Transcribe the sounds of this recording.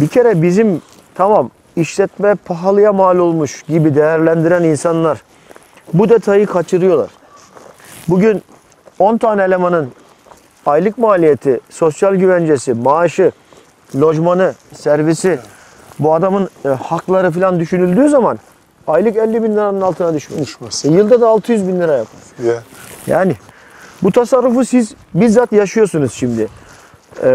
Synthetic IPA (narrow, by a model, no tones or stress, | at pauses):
bicʰe̞ɾɛbizim | t̪ʰamam | iʃlʲɛt̪mɛpʰaɦalˠɯjamaːlʲo̞lˠmuʃɟibid̪ejæɾlʲænd̪iɾæninsanlˠaɾ | bud̪et̪ʰajɯkʰat͡ʃʰɯɾɯjo̞lˠa̰ɾ̥ | buɟyn | o̞nt̪ʰaːnɛlʲemanɯn | ajlˠɯkmaːlʲije̞t̪ʰiso̞sjalʲɟyvɛnd͡ʒe̞simaːʃɯ | lʲo̞ʒmanɯsæɾvisi | buad̪amɯnhaklˠaɾɯfilʲand̪yʃynylʲd̪yːzaman | ajlˠɯkɛlʲːibinlʲiɾanɯnalˠt̪ʰɯnad̪yʃmḛjɯlˠd̪ad̪aːlˠt̪ʰɯjyzbinlʲiɾajapʰaɾ | ja̰ːnɪ | but̪ʰasaɾːufusiz | biɾzat̪jaʃɯjo̞sunuz̥ʃimd̪ɪ